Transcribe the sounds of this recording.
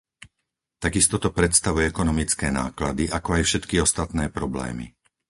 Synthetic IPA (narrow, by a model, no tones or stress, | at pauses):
t̪aɡist̪ɔt̪ɔpɾɛt̪st̪aʋujɛɛkɔnɔmit͡skɛːna̰ːklad̪iʔakɔajfʃɛt̪kiɔst̪at̪nɛːpɾɔblɛ̰ːmḭ